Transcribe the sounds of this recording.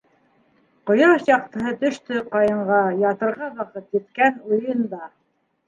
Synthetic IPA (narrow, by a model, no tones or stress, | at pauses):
qŏjɤɾɤʃjɑq̚t̪ɤ̆ɦɤt̪ɵ̆ʃt̪ɵqɑjɤ̆ɴɢɑjɑt̪ɤ̆ɾʁɑβɑqɤt̪jɘ̆t̪kænujɤnd̪ɑ